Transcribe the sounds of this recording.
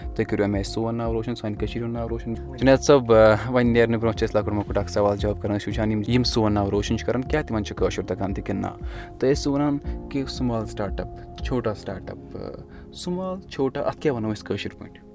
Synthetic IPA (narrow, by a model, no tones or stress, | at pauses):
t̪ɨkʲiɾʲuɐmʲeːsuːʋɐnːaːʋɾoːʃɐnsaːnkɐt͡ʃʰiɾɐnːaːʋɾoːʃɐn | t͡ʃinesɐbʋɐnneːɾnɨbʲɾõːt͡ʃʰɐsʲlaːkuʈmɐkuʈaːksɐʋaːld͡ʒaːb̚kɐɾɐnʃuːt͡ʃʰaːnimjimsuːʋɐnːaːʋɾoːʃɐnt͡ʃʰkɐɾɐnkʲaːt̪imɐnt͡ʃʰukəːʃuɾt̪ɐkant̪ikinːa̰ːt̪ɨesoːɾaːnkesumaːlsʈaːɾʈɐpt͡ʃʰoːʈaːsʈa̰ːɾʈɐ̰p | sumaːlt͡ʃʰoːʈaːʔɐt̪ʰkʲaːʋɐnɐːiskəːʃuɾpo̰iɳʈ